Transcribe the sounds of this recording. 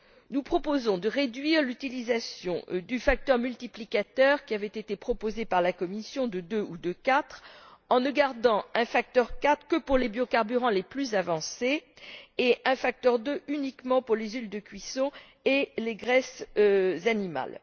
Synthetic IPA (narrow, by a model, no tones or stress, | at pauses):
nupχɔpozɔ̃d̪əʁed̪ɥiʁlyt̪ilizasjɔ̰̃d̪yfak̚t̪œʁmylt̪iplikat̪œʁkʲiavɛt̪et̪epχɔpozepaʁlakɔmisjɔ̃d̪əd̪øud̪əkat̪χɑ̃nəɡaʁd̪ɑ̃ɛ̃fak̚t̪œʁkat̪χkəpuʁlebjokaʁbyʁɑ̃leplyzavɑ̃se | eʔɛ̃fak̚t̪œʁd̪øʔynikmɑ̃puʁlezyld̪əkʲɥisɔ̃ | eleɡʁɛszanima̰l